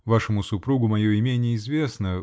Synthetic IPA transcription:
vaʂɨmʊsʊpɾuɡʊmɐjoɪmʲenʲɪjəɪzvʲe̞snə

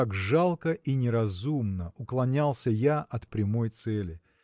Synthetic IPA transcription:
akʐalˠkəʔinʲɪɾɐzumnəʊklˠɐnʲalˠsʲəjaʔɐt̪pɾʲɪmo̞jt̪sɛlʲɪ

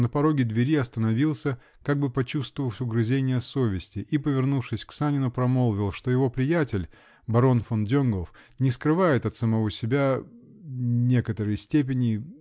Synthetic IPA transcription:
nəpɐɾo̞ɡʲɪd̪vʲɪɾʲiɐst̪ənɐvʲilˠsʲə | kaɡ̚bɨpɐt͡ɕust̪vəvəlˠsʲʊɡɾɨzʲenʲɪjəso̞vʲɪsʲtʲɪʔipəvʲɪrnufʂɨsʲksanʲɪnʊpɾɐmo̞lˠvʲɪlˠʂt̪o̞jɪvo̞pɾʲɪjætʲɪlʲ | bɐɾo̞nfondʲonɡof | nʲɪskɾɨvajɪt̪ɐt̪səmɐvo̞sʲɪbʲa | nʲe̞kət̪əɾəjsʲtʲep̬ʲɪnʲɪ

